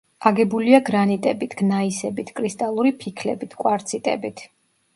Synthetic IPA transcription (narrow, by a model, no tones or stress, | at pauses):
aɡɛbuliaɡɾanit̪ʼɛbit̪ʰɡ̥naisɛbit̪ʰkʼɾist̪ʼalˠuɾipʰikʰlɛ̰bit̪ʰkʼwaɾt̪sʰit̪ʼɛ̰bit̪ʰ